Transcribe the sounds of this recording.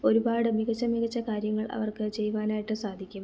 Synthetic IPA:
o̞ɾubaːɽɨmiɡɐt͡ɕːɐmiɣɐt͡ɕːɐkaːɾjɐŋːɐɭʔɐ̰ʋɐrkɨt͡ɕejʋaːnaːjiʈːɨsaːd̪ʱikʲːum

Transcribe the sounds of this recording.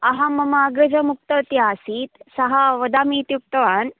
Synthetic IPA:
ɐɦamɐmaːɡɾɐd͡ʑɐmuk̚t̪ɐt̪jaːsiːt̪sɐɦaʋɐd̪aːmiːt̪juk̚t̪ɐʋaːn

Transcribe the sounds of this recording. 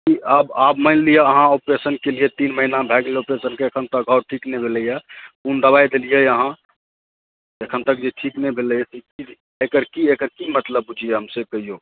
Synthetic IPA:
kiəbabmənlijaəɦãopɾesənkelijet̪inməɦinabʱɛɡleopɾesənkeekʰənt̪əkɡʱəɾʈʰiknebʱeləjapund̪əbajd̪elijeəɦã | ekʰənt̪ək̚d͡ʒeʈʰiknebʱeləjet̪ikid͡ʒ | ekəɾkiekəɾkimət̪ləbːud͡ʒʱijeɦəmseb̚kəɦijo

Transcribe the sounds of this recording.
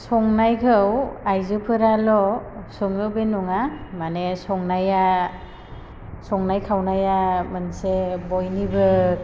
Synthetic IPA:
sɔŋnajkʰɯwajzɯpʰɯɾalɔsɯŋɯwbenɔŋamanesɔŋnaja | sɔŋnajkʰawnajamansebɔjnibɯ

